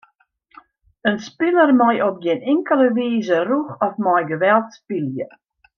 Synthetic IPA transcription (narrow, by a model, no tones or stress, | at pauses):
ənspɪlərmɔjʔɔp̚ɡɪnɪŋkəlˠəʋiːzəruxɔfmɔjɡəʋɛlˠtspiljə